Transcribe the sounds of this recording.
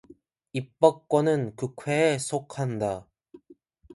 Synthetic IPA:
ip͈ʌk̚k͈wʌnɯnkɯkʰwe̞ːsʰokʰanda

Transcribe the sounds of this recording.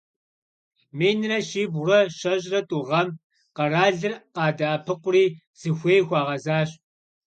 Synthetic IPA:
meːjnɨrɐʃiːbʁrɐʃɐʑʼrɐtʼuʁɐm | qɐraːɮɨrqɑːdɐʔɐpʰɨqʷʊriː | z̥ɨxʷeːjxʷɑːʁɐzaːɕ

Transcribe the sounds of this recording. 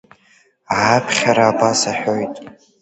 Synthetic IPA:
aapʰχʲaɾaːbasaħᶣo̞jtʼ

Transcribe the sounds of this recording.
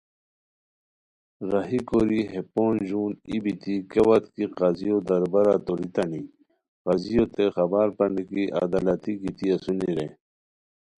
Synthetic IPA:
ɾɐɦikoɾiɦepoːnʑuːnḭbit̪ikewɐt̪kiqazijod̪ɐɾbɐɾat̪oɾit̪ɐni | qazijot̪exɐbaːɾpɐɳikiʔa̰d̪alɐt̪ikit̪iɐsuniɾḛ

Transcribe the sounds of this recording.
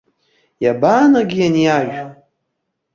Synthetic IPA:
jabaːnaɡʲijanjaʒ

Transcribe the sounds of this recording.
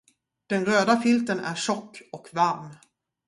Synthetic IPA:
d̪̥ɛnɾøːd̪afʏlt̪ənæ̰ɾʂɔkːɔkvaɾm

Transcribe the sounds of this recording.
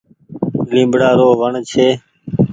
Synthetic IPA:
lĩːmbɽaːɾoːʋəɳt͡ʃʰeː

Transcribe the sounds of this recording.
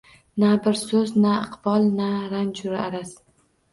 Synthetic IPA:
nabɪɾsɵznaɨqbɒlˠnaɾant͡ʃʰʊɾaaɾas

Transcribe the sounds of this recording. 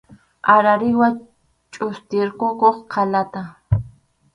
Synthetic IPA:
aɾaɾɪwa | t͡ʃʼʊst̪ɪɾkʊkoχqʰalat̪a

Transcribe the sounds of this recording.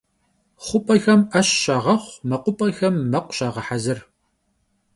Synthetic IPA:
χʷʊpʼɐxɐmɐɕɕaːʁɐχʷmɐqʷʊpʼɐxɐmːɐqʷɕaːʁɐħazɨr

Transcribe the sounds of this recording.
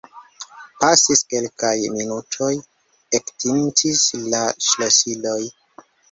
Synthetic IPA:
pasiske̞lkajminutʰo̞j | ektʰintʰislaʃlosilo̞j

